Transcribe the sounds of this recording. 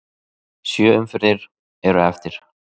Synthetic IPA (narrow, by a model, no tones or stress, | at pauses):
sjœːʏmfɪɾðɪɾ | ɛɾʏɛft̪ɪɾ̥